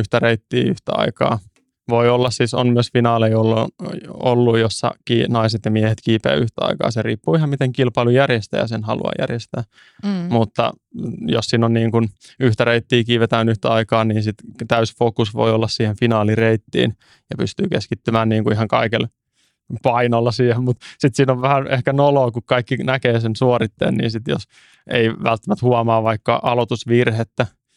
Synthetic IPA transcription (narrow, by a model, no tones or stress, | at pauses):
yht̪æreit̪ːiːyht̪æɑ̰ikɑ̰ː | ʋoiolːɑssiso̰nmyøsfinɑːleiolː | o̰lːujjosːɑ̰kiːnɑiset̪jɑmiehet̪kiːpḛːyht̪æɑ̰ikɑ̰ːseriːpːuːihɑmmit̪eŋkilpɑilujærjest̪æ̰ːjɑ̰senhɑlṵɑ̰jæ̰rjest̪æː | mut̪ːɑ̰ | jossiːnonniːŋkun | yht̪æreit̪ːiːkiːʋet̪æːnyht̪æɑikɑːniːnsit̪t̪æysfokusʋo̰iolːɑssiːhenfinɑːlireit̪ːḭːn | jɑpyst̪yːkeskit̪ːymæːnniːŋkuiɦɑŋkɑikel | pɑinolːɑsiːhemmut̪sit̪siːnoʋʋæhænehkænoloːkukkɑikːinækeːsensuorit̪ːḛːnnḭːnsit̪jo̰s | ḛiʋælt̪ːæmæt̪huɑmɑːʋɑikːɑʔɑlot̪usʋirhet̪ːæ